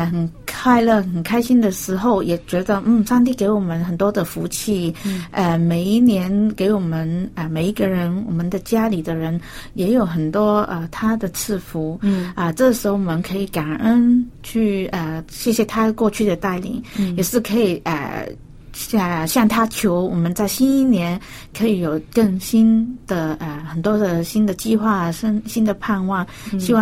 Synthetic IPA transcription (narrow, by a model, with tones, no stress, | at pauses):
xə˨˩nkʰa˥˧ɪlɤ˥˩xə˨˩nkʰa˥ɪɕi˥nd̪ə˨ʂɻ̩˧˥xo˥˧ʊjɛ˨˩t͡ɕɥɛ˧˥d̪ə˧n̩˥˩ʂɑ˥˧ŋt̪i˥˩ke˧˥ɪwɔ˨˩mə˧˦nxə˨˩nt̪wɔ˥d̪ə˨fu˧˥t͡ɕʰi˥˩ə˧me˨˩ɪi˥˩njɛ˧˥nke˧˥ɪwɔ˨˩mə˦nə˧me˨˩ɪi˧˥ɡə˧ɻə˧˥nwɔ˨˩mə˦nd̪ə˧t͡ɕja˥li˨˩d̪ə˦ɻə˧˥n | jɛ˧˥jo˨˩ʊxə˨˩nt̪wɔ˥ə̰˧t̪ʰa˥d̪ə˨t͡sʰɹɻ̩˥˩fu˧˥ə˧ʈ͡ʂɤ˥˩ʂ̩˧˥xo˧˥ʊwɔ˨˩mə˦nkʰɤ˧˥i˧˩ka˨˩nə˥nt͡ɕʰy˥˩ə˧ɕjɛ˥˩ɕjɛ˧˦t̪ʰa˥kwɔ˥˧t͡ɕʰy˥˩d̪ə˩t̪a˥˩ɪlḭ˨˩˦ŋjɛ˨˩ʂɻ̩˥˩kʰɤ˧˥i˨˩ə̰˧˩ | ə˧ɕjɑ˥˩ŋt̪ʰa˥t͡ɕʰjo˧˥ʊwɔ˨˩mə˧˦nt͡sa˥˩ɪɕi˥ni˥˩njɛ˧˥n | kʰɤ˧˥i˨˧˥jo˨˩ʊkɤ˥˩ŋɕi˥nd̪̥ə˨ə˩xə˨˩nt̪wɔ˥d̪ə˨ɕi˥nd̪ə˨t͡ɕi˥˧xwa˥˩ə˥nɕi˥nd̪ə˨pʰa˥˧nwɑ˥˩ŋ | ɕi˥wɑ˥˧